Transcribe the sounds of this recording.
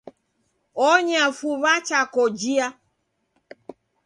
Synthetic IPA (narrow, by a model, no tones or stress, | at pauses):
ɔɲafuβat͡ʃakɔd͡ʒia